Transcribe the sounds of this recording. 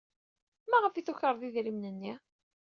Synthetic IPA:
mæʁəfiθuçəɾˤðiðɾimnənːi

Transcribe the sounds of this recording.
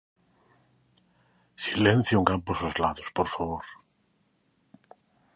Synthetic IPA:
silẽn̟θjũŋkamposozlaðospoɾfaβoɾ

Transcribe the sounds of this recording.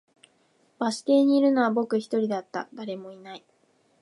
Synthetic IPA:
b̥aɕi̥t̪e̞ːɲ̟iːɾɯ̟no̞βabo̞kɯ̟çi̥t̪o̞ɾʲid̪at̪ːa̰d̪aɾe̞mo̞inai

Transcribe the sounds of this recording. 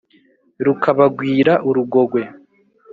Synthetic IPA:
ɾukʰaβaɡwiːɾaʔuɾuɡo̞ɡwe̞

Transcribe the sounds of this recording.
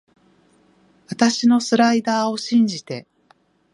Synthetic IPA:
βat̪aɕino̞sɨɾaid̪aːo̞ɕĩɲ̟d͡ʑit̪e̞

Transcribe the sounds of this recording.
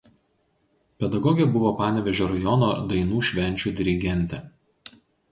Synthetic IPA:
pʲɛd̪ɐɡɔɡʲɛbʊʋoːpɑːnʲɛʋʲɛʒʲoːɾɐjɔnod̪ɐɪnuːʃʲʋʲɛnʲˑt͡ʃʲuːd̪ʲɪɾʲɪɡʲɛnʲˑt̪ʲɛ

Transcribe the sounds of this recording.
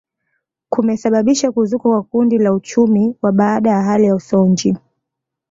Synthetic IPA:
kumɛsaɓaɓiʃakuzukakwakundilaut͡ʃumiwaɓaːɗajaɦalijausɔɲd͡ʒi

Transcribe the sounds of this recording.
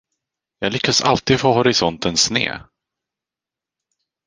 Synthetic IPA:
jɑːɡlʏkʰːasa̰lt̪iːd̪foːɦʊɾɪsɔnt̪ənsnḛː

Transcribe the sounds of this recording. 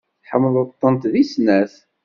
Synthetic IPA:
ħəmːəðˤət̪ˤːənt̪ðisnæθ

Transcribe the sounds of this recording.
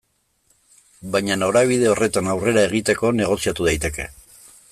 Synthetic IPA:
bajɲano̞ɾaβ̞iðe̞o̞re̞t̪anawre̞ɾae̞ɣ̞it̪e̞ko̞ne̞ɣ̞o̞siat̪uð̞ajt̪e̞ke̞

